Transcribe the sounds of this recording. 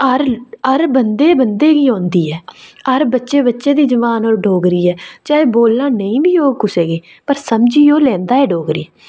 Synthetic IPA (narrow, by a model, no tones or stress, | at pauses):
əɾəɾbənd̪eːbənd̪eːɡiːɦõːnd̪iːɦɛːəɾbətːʃeːbətːʃeːd̪iːd͡ʒəʋaːnoːɾɖoːɡɾiːɛːt͡ʃaːeːboːlːãːnəĩːbiːoːkʊseːɡeː | pəɾsəmd͡ʒiːoːlɛ̃ːnd̪aːɛːɖoːɡɾiːɛ